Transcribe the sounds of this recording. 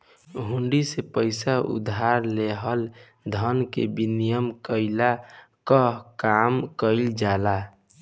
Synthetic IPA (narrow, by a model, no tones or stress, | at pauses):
ɦuɳɖisepəɪsaṵd̪ʱaɾleɦəl | d̪ʱənkḛbinijəmkəɪla | kəɦkamkəɪld͡ʒala